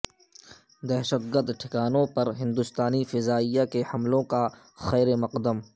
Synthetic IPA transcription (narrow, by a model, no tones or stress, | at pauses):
d̪ɛɦʃət̪̚ɡəɾd̪ʈʰɪkaːnõpɐɾɦɪ̃nd̪ʊst̪aːnifɪzaːijakehɐmlõka | xɛːɾemɐqd̪əm